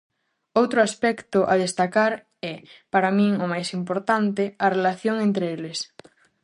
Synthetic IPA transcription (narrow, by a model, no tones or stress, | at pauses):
owt̪ɾʊaspɛkt̪ʊʔaðest̪akaɾ | ɛpaɾamĩŋʊmajsimpoɾt̪ant̪ɪɐrelaθjoŋẽnt̪ɾeelɪs